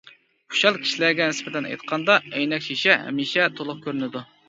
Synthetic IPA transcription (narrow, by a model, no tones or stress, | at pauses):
u̥ʃɑlˠkʲʰi̥ʃilæɾɡʲɛnɪspɛt̪ɛnɑ̰jt̪̚qʰɑnd̪ɑɛjnɛkʲʃiʃɛɦɛ̰miʃɛt̪ʰolˠʊχkʲøɾynɪd̪u